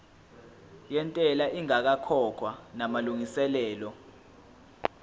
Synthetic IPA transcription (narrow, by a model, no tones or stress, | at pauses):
jɛntʼɛlaʔiŋak̬akʰɔkʰwanamaluŋisɛlɛːlɔ